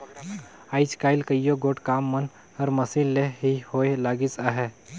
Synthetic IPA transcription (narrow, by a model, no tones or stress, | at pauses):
aːɪt͡ʃkaːɪlkəjjoɡoːʈkaːmːən | ɐɾmɐsilleɦihoːelaːɡisaɦɛː